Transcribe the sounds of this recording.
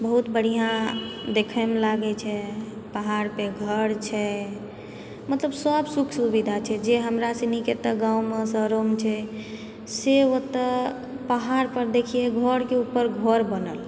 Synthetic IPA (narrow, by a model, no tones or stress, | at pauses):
bəɦut̪bəɽ̤ijãd̪ekʰəmelaɡɛt͡ʃʰɛ | pəɦaɾpeɡʱəɽt͡ʃʰɛ | mət̪ləbsəbsukʰsubid̪ʱat͡ʃʰɛd͡ʒeɦəmɾaseniket̪əɡãumesəɾomt͡ʃʰɛ | seot̪ə | paɦaɾpəɾd̪ekʰijeɡʱɔɽkeupːəɾɡʱoɾbənəl